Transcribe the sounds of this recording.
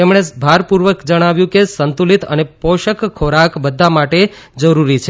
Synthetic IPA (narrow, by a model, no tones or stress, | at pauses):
emɽ̃ebʱaɾpuɾʋəkd͡ʒəɽ̃aʋjũkesənt̪ulit̪ə̰nepɔʃəkkʰːoɾakbəd̪ʱːamaʈe | d͡ʒəɾuɾit͡ʃʰe